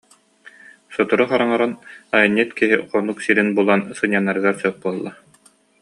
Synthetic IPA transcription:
sɔt̪uɾuχaɾaŋaɾanajɯnːit̪kiɦiχɔnuksiɾinbulˠansɯɲːanːaɾɯɡaɾsœχ̚buɔlˠːa

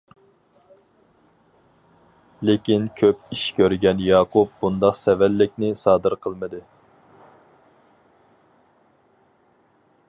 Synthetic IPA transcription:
lekʲinkʲʰøpiʃkʲʰøɾɡʲɛnjɑːqʰup̚bund̪ɑqsɛvɛlːɪk̚ʲnɪsɑːd̪ɨɾqʰəlˠmɨd̪ɨ

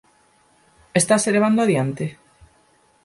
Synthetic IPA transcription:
est̪aseleβ̞and̪oaðjant̪e

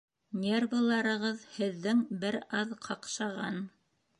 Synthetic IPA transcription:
nʲervɤlˠɑɾɤ̆ʁɤðhɘ̆ðːɘŋbɘɾɑðqʰɑqʃɑʁɑn

